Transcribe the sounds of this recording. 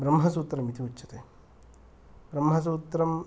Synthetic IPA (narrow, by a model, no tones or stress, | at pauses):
bɾɐmɦɐsuːt̪ːɾɐmit̪ʰiutːʃʰɐt̪e | bɾɐmɦɐs̬uːt̪ːɾɐm